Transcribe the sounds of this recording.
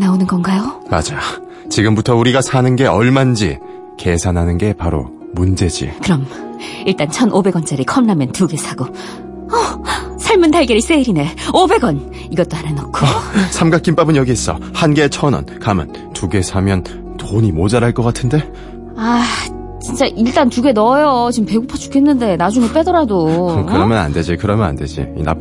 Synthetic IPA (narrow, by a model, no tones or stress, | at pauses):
naonɯnɡʌnɡajoma̰d͡ʑa | t͡ɕiɡɯmbutʰʌuɾiɡasʰanɯnɡe̞ʌɭmand͡ʑḭ | ke̞sʰanɦanɯnɡe̞paɾo̰ | mund͡ʑe̞d͡ʑḭkɯɾʌmiɭt͈ant͡ɕʰʌnʔobe̞ɡʌnt͡ɕ͈aɾikʰʌmnamjʌntuɡe̞sʰaɡo | ʌsʰaɭmɯndaɭɡeɾis͈eiɾine̞obe̞ɡʌn | iɡʌt͈̚oaɾenʌk͈ʰosʰamɡak͈imp͈abɯnɲjʌɡiːs͈ʌ̰hanɡe̞t͡ɕʰʌnʌ̰nkama̰n | tuɡe̞sʰamjʌn | toɲimod͡ʑaɾaɭk͈ʌk͈atʰɯnde̞ | a | t͡ɕint͡ɕ͈aʔiɭt͈antuɡe̞nʌjʌt͡ɕimpeɡupʰʌt͡ɕʰu̥kʰenːɯnde̞nad͡ʑuŋep͈e̞dʌɾadokɯɾʌmjʌna̰nde̞d͡ʑikɯɾʌmjʌna̰nde̞d͡ʑḭḭna̰p